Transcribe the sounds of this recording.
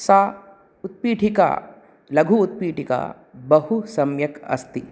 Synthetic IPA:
saː | ut̪̚piːʈʰika̰ | lɐɡʱuːt̪̚piːʈika̰ | bɐɦusɐmjɐkɐ̰st̪i

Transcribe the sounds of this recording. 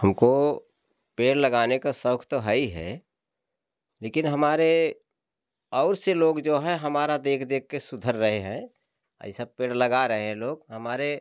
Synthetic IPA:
həmko | peːɽləɡaːnekasəʊkʰt̪oɦəiɦɛ̰ː | leːkɪnɦəmaːɾe | ɔːɾseloːɡd͡ʒoːɦɛ̃ɦɐmaːɾad̪eːkʰd̪eːk̚kesʊd̪ʱəɾːəɦeɦɛ̃ | a̰isəb̚peːɽləɡaɾɐɦeɦɛ̃loːɡɦɐmaːɾe

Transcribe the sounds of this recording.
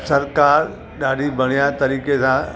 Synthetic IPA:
sɐɾkaːɾ | ɗaːɽibʱɐɽ̃ijat̪ɐɾiːkesã

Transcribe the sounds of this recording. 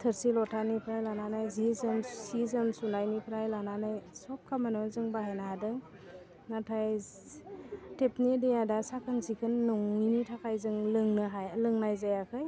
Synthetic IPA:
tʰɯɾsilɔtʰanipʰɾajlananajzizɯmsizɯmsunajnipʰɾajlananajsɔp̚kʰamanɔzɯŋbaɦanaadɯŋ | natʰaj | tepnidejadasakʰɯnsikʰɯnːɔŋinitʰakʰajzɯŋlɯŋnɯɦajlɯŋnajzajakʰɯj

